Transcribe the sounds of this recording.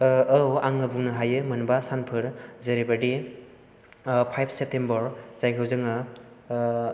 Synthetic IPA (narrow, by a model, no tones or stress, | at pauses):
ɐwaŋɯbuŋnɯɦajɯmɯnbasanpʰɯɾzɐɾibadi | pʰajpʰsep̚tembɐɾzajkʰɯwzɯŋɯ